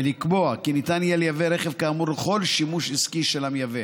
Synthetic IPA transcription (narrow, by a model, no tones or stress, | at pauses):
elikbo̞akinit̪anijeljaveɾeχevkaːmuɾleχo̞lʃimuʃiskiʃelamjave